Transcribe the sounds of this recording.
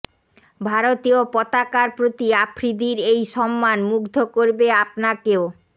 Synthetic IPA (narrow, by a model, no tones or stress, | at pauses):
bʱaɾot̪iopɔt̪akaɾpɾot̪iapʰɾid̪iɾejʃɔmːanmuɡd̪ʱokoɾbeapnakeo